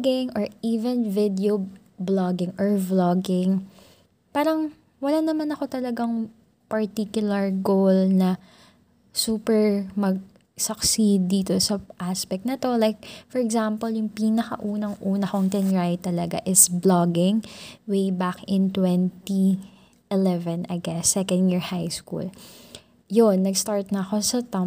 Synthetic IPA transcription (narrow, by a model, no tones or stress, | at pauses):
ɡɪŋʔɔɹiːvɛnvɪd̪ɛo | blɔɡɪŋʔɔɹbloɡɪŋ | paːɾɐŋ | wɐlanɐmanɐko̞t̪ɐlɐɡaŋ | pɐɹt̪ikjʊlɐɹɡowlnɐ | suːpɛɹmɐɡ̚ | sɐksid̪ːiːt̪osɐʔaspɛk̚t̪̚nɐt̪o̞lajk̚fɔɹɛɡzampɐljʊŋpiːnɐkɐʔuːnɐŋʔuːnɐkoŋt̪ɛnɹajt̪ɐlɐɡa̰ʔɪsblaɡɪŋwejbakɪ̃nt̪wɛnt̪i | ʔɛlɛvɛ̃nɐ̰jɡɛsːɛkɐ̃nd̪jɪɹhajskṵl | jonːɐɡst̪aɹt̪̚nɐːko̞sɐt̪ɐ